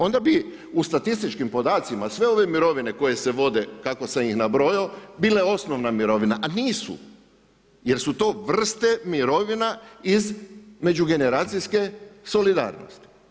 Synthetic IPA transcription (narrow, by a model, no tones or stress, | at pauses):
o̞nd̪abi | ust̪at̪ist̪it͡ʃkimpo̞d̪aːt̪simasʋe̞o̞ʋe̞miɾo̞ʋine̞ko̞je̞seʋo̞d̪e̞kako̞sejixnabɾo̞jobiːleo̞snoʋnamiɾo̞ʋinaʔaniːsṵ | je̞ɾsut̪o̞ːʋr̩st̪e̞miɾo̞ʋinaizme̞d͡ʒuɡe̞ne̞ɾaːt̪sijske̞so̞lid̪a̰ːɾno̰st̪i̥